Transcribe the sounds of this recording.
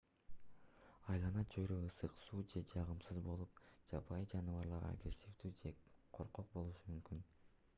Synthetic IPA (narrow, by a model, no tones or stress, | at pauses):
ɑjlˠɑnɑt͡ʃʰøɾøɯsɯqsuːd͡ʒe̞d͡ʒɑʁɯmsɯzbo̞lˠup̚d͡ʒɑpʰɑjd͡ʒɑnɯvɑɾlˠɑɾa̰ɡɾesʲifd̪yːd͡ʒe̞qʰo̞ɾqo̞q̚bo̞lˠuʃɯmymkyn